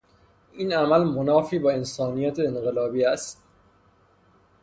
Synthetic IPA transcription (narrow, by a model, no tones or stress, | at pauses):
ʔiːnæmælmonɒːfiːbɒːe̞nsɒːnijæt̪ʰeːnɢelɒːbiːæst̪